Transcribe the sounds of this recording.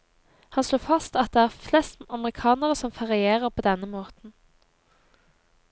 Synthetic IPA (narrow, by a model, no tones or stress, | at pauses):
hɑnsloːfɑst̪ɑt̪̚d̪ɛæːʁflɛst̪ɑməʁɪkʰɑːnəʁəsɔmfɑʁɪeːʁəʁpʰoːd̪ɛnːəmoːt̪n̩